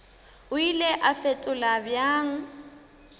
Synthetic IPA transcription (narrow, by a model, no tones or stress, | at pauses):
ʊilɛʔafetʼʊlabjaːŋ̩